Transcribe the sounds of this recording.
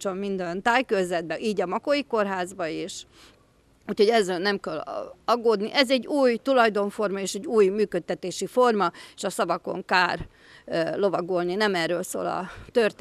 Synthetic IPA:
t͡ʃomːind̪ɛnt̪aːjkøzɛd̪̚bɛʔiːɟɒmɒkojiko̞rɦaːzbɒeːʃ | uːcho̞ɟɛzːɛːlnɛmkɛlɒɡːoːd̪niʔɛzɛɟːuːjt̪ulɒjd̪o̞ɱfo̞rmɒeːʃɛɟːuːjmyːkøt̪̚ːɛt̪eːʃifo̞rmɒeːʃɒsɒbɒko̞̰ŋkaːr | lo̞vɒɡolninɛmɛrːøːlso̰ːlɒ̰t̪ørt̪

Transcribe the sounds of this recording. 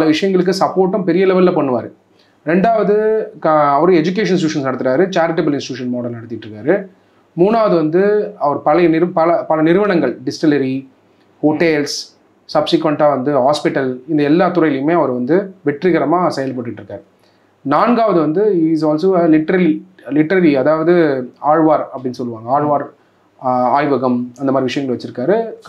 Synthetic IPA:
pɐlɐʋɪʂɐjɐŋɡɐɭɯk̬ːɯsɐpːoːɾʈːɯ̃mpɛɾɪjɐlɛʋɐlːɛpɐɳːɯʋa̰ːɾɯ | ɾɛɳɖaːʋɐðɯ | ɐʋɐɾɯ̃ɛd͡ʒʊk̬eːʂ̬ɐns̬ʈjuːʂɐnsnɐɽɯt̪ːɯɾaːɾɯt͡ʃaːɾɪʈɐbɐlɪ̃nsʈɪʈjuːʂɐnmoːɽɐlnɐɽɯt̪ːɪʈːɾɯkːaːɾɯ | muːɳaːʋɐðɯʋɐnd̪ɯɐʋɐɾɯpɐlɐnɪɾpɐlɐpɐlɐnɪɾɯʋɐɳɐŋɡɐɭɖɪsʈɪlɐɾi | hoːʈːeːls | sɐbsɪkʋɐɳʈaːʋɐnd̪ɯɦaːspɪʈːɐlɪnd̪ɐɛlːaːt̪ʊɾɐjlɪjɯmeːɐʋɐɾɯʋɐnd̪ɯʋɛʈrɪɣɐɾɐmaːsɛjɐlp̬ɐːʈːɪʈːɾɯkːaːɾ | naːnɡaːʋɐðɯʋɐnd̪ɯis̬aːlsoːlɪʈːɐɾɐli | lɪʈːɐɾɐliɐðaːʋɐðɯaːɻʋaːɾɐpːɐɽɪnsɔlːɯʋaːŋɡɐaːɻʋaːɾ | aːjʋɐɣɐmɐnd̪ɐmaːd̪ɾɪʋɪʂɐjɐŋɡɐɭʋɐt͡ʃːɪɾɯkːaːɾɯ

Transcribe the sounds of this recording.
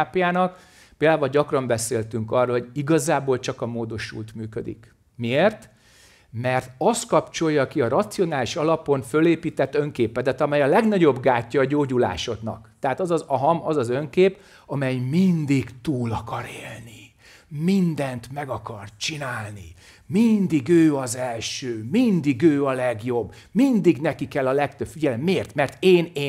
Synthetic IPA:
aːpjaːnɒk | peːld̪aːvɒlɟɒkrɒmbɛseːlt̪yŋkɒroːlɦo̞ɟiɡɒzaːboːlt͡ʃɒkɒmoːd̪o̞ʃṵːlt̪myːkød̪ḭk | mieːrt̪ | mɛrt̪ɒst̪kɒpt͡ʃo̞jːɒkiɒɾɒt̪sio̞naːliʃɒlɒpo̞nfø̞leːpiːt̪ɛt̪ːøŋkeːpɛd̪ɛt̪ɒmɛjɒlɛɡnɒɟo̞bɡaːcːɒːɟoːɟula̰ːʃo̞d̪nɒ̰kt̪ɛɦaːt̪ɒzɒzɒɦɒmɒzɒzø̞ŋkeːp | ɒmɛjmind̪iɡt̪uːlɒkɒɾeːlni | mind̪ɛnt̪mɛɡɒkɒrt͡ʃinaːlnḭ | mind̪iɡøːɒzɛlʃøːmind̪iɡøːɒlɛɡjo̞bːmind̪iɡnɛkikɛlːɒlɛkt̪øb̥fiɟɛlɛmːeːrt̪mɛrt̪eːneː

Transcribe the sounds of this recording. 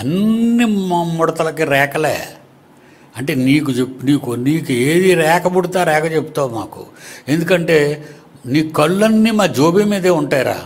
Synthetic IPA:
ɐnːimmɔɽɐt̪ɐlɐkiɾɛːkɐlḛː | ɐɳʈe̞ːniːk̬ut͡ʃepniːkuniːkueːd̪iɾɛːkɐbuɽut̪aːɾɛːkɐt͡ʃepu̥t̪aːwma̰ːkṵe̞nd̪ukɐɳʈe̞ː | niːkːɐɭːɐnːimaːd͡ʒoːbimiːd̪eːuɳʈaːjɾa̰ː

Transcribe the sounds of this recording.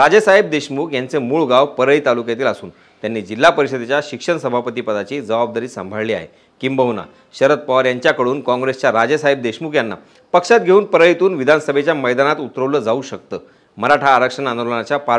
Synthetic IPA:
ɾad͡zəsaɦib̚d̪eɕmuːkjant͡semuːɭɡawpəɾəit̪alukjat̪iːlasuːn | t̪janːiːd͡ʑilːapəɾiɕəd̪et͡ɕjaɕikʂəɳsəbʱapət̪iːpəd̪at͡ɕiːd͡zəʋab̚d̪aɾiːsəmbʱəɭliːa̰ɦḛ | kimbəʋna̰ | ɕəɾət̪̚paʋɾjaɲt͡ɕjakəɽuːnkɔ̃ŋɡɾest͡ɕjaɾad͡ʑəsaɦib̚d̪eɕmuːkjanːa̰ | pəkʂat̪̚ɡʱeuːnpəɾəit̪uːnʋid̪ʱansəbʱet͡ɕjaməjd̪anat̪ut̪ɾəʋləːd͡zauɕək̚t̪əː | məɾaʈʰaːɾəkʂənand̪olənat͡ɕjapa

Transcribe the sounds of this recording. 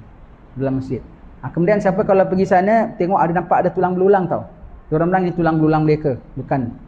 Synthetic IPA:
lulaŋməsɪt̪̚akəmudiansiapəkalapəɡisanət̪eŋɔʔadanampaʔadat̪ulaŋbəlulaŋt̪audoɾanbəlaŋnit̪ulaŋbəlulaŋməlekəbukan

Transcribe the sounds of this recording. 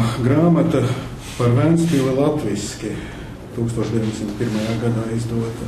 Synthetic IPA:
ɡɾaːmat̪ɐ | paɾvænsʲt̪ʲilˠilˠat̪vʲiskʲi | t̪uːkst̪uɔʃd̪ʲeʋʲiɲʲdʲesimt̪̚pʲiɾmajaːɡad̪aːizd̪uɔt̪

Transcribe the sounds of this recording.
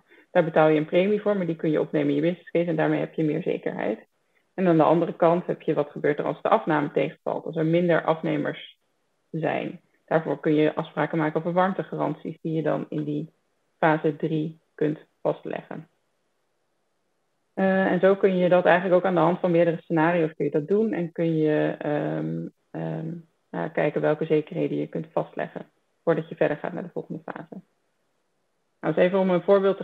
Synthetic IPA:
d̥aːɹbətaːlˠjəənprejmivʊːɹmaɹdikɵnjəʔɔpnejmənjəbɪsnɪskesɛndaːɹmejɦɛpjəmɪ̰ːɹzḛjkə̰ɹɦɛ̰jt | ɛnaːndəʔɑndərəkɑntɦɛpjəʋɑtχəbøːɹtə̰rɑ̰lˠsdəʔɑfnaːmətejχənvɑ̰lˠtɑlˠsɛɹmɪndə̰ɹʔɑfnejmə̰ɹs | zɛ̰jn | d̥aːɹvʊːɹkɵnjəʔɑfspraːkəmaːkənɔfvəɹʋɑɹmtəχaːrɑ̰nsḭsdijədɑ̰nɪ̰ndi | faːzədri | kɵnt | fɑstlɛ̰χə̰n | ɛnzowkɵnjədɑtɛjχənləkowkaːndəɦɑntfɑnmɪːɹdərəsənaːriowskɵnjədɑt̚dunɛ̰nkɵnjəm | a̰kɛjkənʋɛlˠkəzejkəɹɦejdəjəkɵntfɑstlɛ̰χə̰n | v̥ʊːɹdɑcjəvɛɹdəɹχa̰ːt̚na̰ːɹdəvɔlˠχəndəfa̰ːzə | na̰wɪsejvənɔmənvʊːɹbɪːlˠt

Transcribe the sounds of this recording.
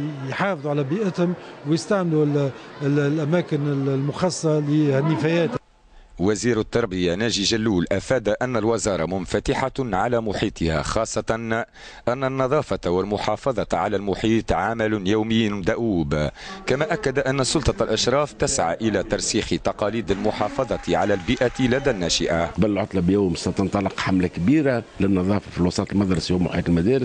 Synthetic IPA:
jħɑːfðˤuʕalæbiːʔət̪hʊmwjəst̪aʕmlullʔæmæːkɪnɪllmʊxɑsˤːɑlihnːɪfæjæːt̪ | waziːɾat̪ːɑɾˤbɪjanæːʒiʒalːuːlʔafæːd̪aʔanːalwɪzɑːɾˤɑmʊnfat̪ɪħaʕalæmʊħiːt̪ʰˤɪha̰xɑːsˤːɑt̪ɑn | ʔænːanːɑðˤɑːfɑwɪlmʊħɑːfɑðˤɑʕalælmʊħiːt̪ˤʕamɪljawmɪjːnd̪aʔuːbkamæʔakːad̪aʔanːasʊlt̪ˤɑalʔaʃɾˤɑːft̪ɪsʕa̰ʔɪlæt̪ɑɾˤsiːxt̪ɑqɑːliːd̪almʊħɑːfɑðˤɑt̪iʕalælbiʔat̪lad̪æːnːæːʃɪʔabɪlʕʊt̪ˤlɑbjaːmsat̪ɑnt̪ˤɑlɪqħamlakbiːɾalɪnːɑðˤɑːfɑ̥filwɑsˤɑːt̪lmɑd̪ɾˤɑsjuːmʊ̰ħiːt̪ɪlmæd̪æːɾɪs

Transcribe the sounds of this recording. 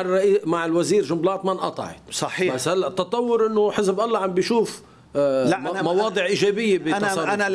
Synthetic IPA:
rːʔimaʕɪlwaziːɾʒʊmblɑːt̪manʔɑ̰t̪ˤɑ̰ʕɪ̰t̪sˤɑħibashalːaʔt̪ːɑt̪ˤɑwːʊɾʔɪnːoħɪzbʔɑlˤːɑʕambjʃuːf | mɑwɑːd̪ˤɨʕʔiːʒɛːbɪjːebisˤɑ

